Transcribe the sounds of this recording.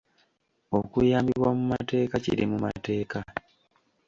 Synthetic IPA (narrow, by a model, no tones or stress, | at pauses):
o̞kujaːmbiβwamumate̞ːkacḭɾimuma̰te̞ːka